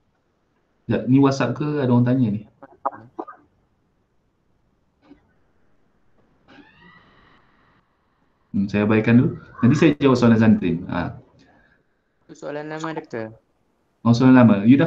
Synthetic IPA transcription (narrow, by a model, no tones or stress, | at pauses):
d͡ʒaʔnĩwasaʔ̚kəadaɔaŋt̪̬aɲanih | sajabaikandud͡ʒadisajad͡ʒawaʔsoalans̬ant̪ɾɪna̰ | solanlamadt̪ə | ãŋs̬oalanlamajuda